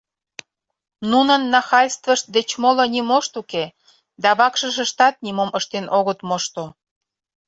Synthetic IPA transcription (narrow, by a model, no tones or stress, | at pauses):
nunənːɑxɑjʲst̪vəʃt̪̚d̪et͡ɕmolŏnʲimoʃt̪uke | d̪ɑβɑkʃəʃə̆ʃt̪ɑt̪̚nʲimoməʃt̪enʔoɣət̪moʃt̪o